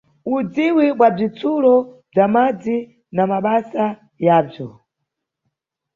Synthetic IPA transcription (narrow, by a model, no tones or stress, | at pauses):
ud͡ziwiɓwab͡ʐit͡sʰulɔb͡ʐamad͡zi | namaɓasa | jaːb͡ʐɔ